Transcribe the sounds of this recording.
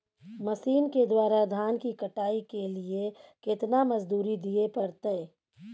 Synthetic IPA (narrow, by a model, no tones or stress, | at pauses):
mɐsiːnked̪waːɾad̪ʱaːnkikɐʈaːikeliekɪt̪namɐd͡ʒd̪uːɾid̪iepɐɾt̪əe